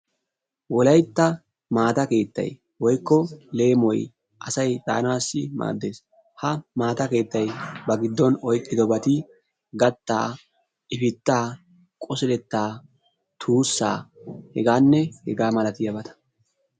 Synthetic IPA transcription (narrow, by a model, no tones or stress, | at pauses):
wɔlɐjt̪ːɐ | maːt̪ɐke̞ːt̪ːɐ̰j | wɔjkːɔle̞ːmɔj | ʔɐsɐjt̪ʼa̰ːnaːsːɪma̰ːd̪ːe̞ːs | hɐmaːt̪ɐke̞ːt̪ːɐjbɐɡɪd̪ːɔnɔjkʼːɪd̪ɔbɐt̪ɪ | ɡɐt̪ːa̰ː | ʔɪfɪt̪ːaː | kʼɔsɪlɛt̪ːaː | t̪ʰuːsːa̰ːhɛɡaːnːɛhɛɡaːmɐlɐt̪ɪjɐbɐt̪ɐ̥